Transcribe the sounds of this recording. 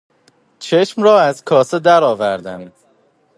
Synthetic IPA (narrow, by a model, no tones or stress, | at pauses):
t͡ʃʰe̞ʃmɾɒːæzkʰɒːsed̪æɾɒːvæɾd̪ænd̪